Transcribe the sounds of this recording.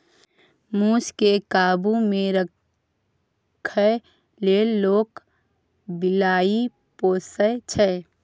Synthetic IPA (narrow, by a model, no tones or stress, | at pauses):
muːskekaːbumẽɾə | kʰə | leːloːk | bɪlaːi | poːsət͡ʃʰɛ